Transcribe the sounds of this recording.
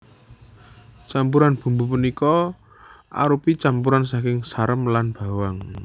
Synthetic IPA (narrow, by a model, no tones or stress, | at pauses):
t͡ʃampuɾanb̥ṳmbupunikɔ | ʔa̰ɾupit͡ʃampuɾansakɪŋsaɾəmlanb̥a̤waŋ